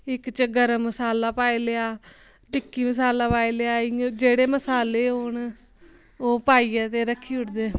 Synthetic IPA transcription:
ɪkt͡ʃəɡəɾəmːəsaːlaːpaːiːleaː | ʈɪkːiːməsaːlaːpaːiːleaːɪ̃d͡ʒeːɽeːməsaːleːon | oːpaːiːɛːt̪eːɾəkʰːiːʊʈd̪eː

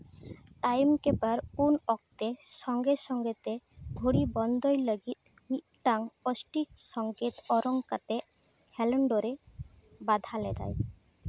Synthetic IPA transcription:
ʈajmkebaɾunɔk̚t̪eʃɔŋɡeʃɔŋɡet̪eɡʱoɽibɔnd̪ojləɡit̪̚ | mik̚ʈaŋɔsʈik̚ʃɔŋket̪ɔɾɔŋkat̪e | hʰɛloɳɖoɾe | bad̪ʱaled̪a̰j

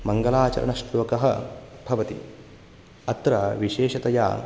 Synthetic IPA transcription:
mɐŋɡɐlaːt͡ʃɐ̰ɾʔɐ̰nɐʃʈloːkɐɦɐ̆bʱɐʋɐt̪ḭ | ɐt̪ɾɐʋiʃeːʃɐt̪ɐja̰ː

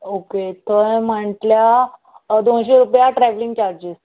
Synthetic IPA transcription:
oket̪ʰəm̤əʈlja | d̪oɳɕeɾupjaʈɾɛʋlĩŋɡt͡ɕaɾd͡ʑis

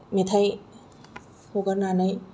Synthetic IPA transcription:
met̪ʰaj | hoɡaɾnaːnaj

